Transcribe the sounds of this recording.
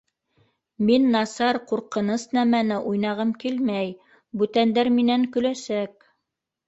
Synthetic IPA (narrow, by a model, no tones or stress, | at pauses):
minːɑsɑɾquɾqɤ̆nɤsnæmænɘʔujnɑʁɤmkilmæj | bʉt̪ænd̪æɾminæŋkɵ̆læsæk̚